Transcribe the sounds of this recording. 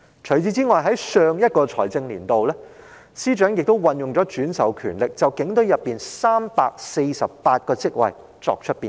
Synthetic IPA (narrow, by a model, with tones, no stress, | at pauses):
t͡ʃʰɵ˨˩ɥt͡siː˧t͡siː˥ŋɔː˨jɦɐ˨˥jsœː˧ŋjɐ˥t̚kɔː˧t͡sʰɔ̰ː˨˩jt͡sɪ˧ŋliː˨˩nt̪o˨wlɛː˥ | siː˥t͡ʃœː˨˥ŋjɪ˨k̚t̪o˥wwɐ˨njʊ˨ŋt͡sɔː˨˥t͡ʃyː˨˥nsɐ̰˨˩wkʰy̰ː˨˩nlɪ˨k̚t͡sɐ˨wkɪ˨˥ŋt̪ɵ˨˥ɥjɐ˨pːiː˨nsaː˥mpaː˧k̚se˧jsɐ˨ppaː˧t̚kɔː˧t͡sɪ˥k̚wɐ̰˨j | t͡sɔ̰ː˧k̚t͡ʃʰɵ˥t̚piː˨˩n